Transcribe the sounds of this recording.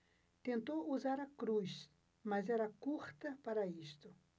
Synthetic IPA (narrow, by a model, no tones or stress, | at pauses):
t̪ẽnt̪ouzaɾɐkɾujs | mazɛɾakuɾt̪ɐpaɾaist̪ʊ